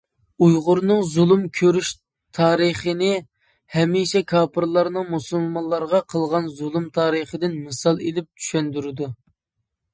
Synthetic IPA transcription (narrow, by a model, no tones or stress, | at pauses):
ujʁʊɾnɨŋzulˠumkʲʰøɾyʃ | t̪ʰɑːɾəχənɪ | hɛmiʃɛkʰɑːpʰɨɾlˠɑɾnɨŋmusulˠmɑnlˠːɑɾʁɑqʰəlˠʁɑnzulˠumt̪ʰɑːɾəχəd̪ɪnmɨsɑlˠelɪp̚t͡ʃʰy̥ʃɛnd̪yɾɪd̪u